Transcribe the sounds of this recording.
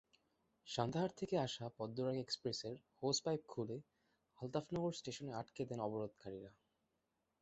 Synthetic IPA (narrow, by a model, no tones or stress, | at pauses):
ʃand̪aɦaɾt̪ʰekeaʃapɔd̪ːoɾaɡekspɾeseɾhospajp̚kʰule | alt̪afnoɡoɾsʈeʃoneaʈked̪ɛnɔboɾod̪̚ʱkaɾiɾa